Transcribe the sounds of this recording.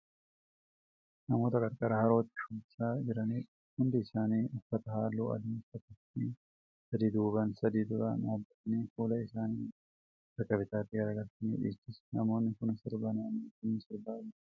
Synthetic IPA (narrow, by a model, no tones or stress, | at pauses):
nɐmo̞ːt̪ɐkʼɐɾkʼɐɾɐhɐɾo̞ːt̪ːɪ̥ʃʊbɪsaːd͡ʒɪɾɐniː | hʊnd̪ɪɪsaːniːʔʊfːɐt̪ɐhaːlːo̰ːɐ̰d̪iːsɐt̪ɐtːi | sɐd̪iːd̪uːbɐnsɐd̪iːd̪ʊɾa̰ːnaːbːɐt̪ɐniːfuːlɐɪsaːniː | t̪ɐkːɐbɪt̪aːt̪ːɪɡɐɾɐɡɐɾt̪ɐnḭːᶑḭːt͡ʃːɪsnɐmo̞ːnːɪkʊnsɪɾbɐnaːniːkʊnːsɪɾbaː